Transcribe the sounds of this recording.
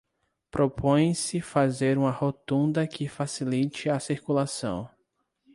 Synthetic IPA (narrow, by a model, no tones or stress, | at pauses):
pɾʔopʰõjj̃sɪfazeɾũmɐhot̪ũnd̪ɐkʰɪfasilit͡ʃɪɐsiɾkulasɐ̰̃w̃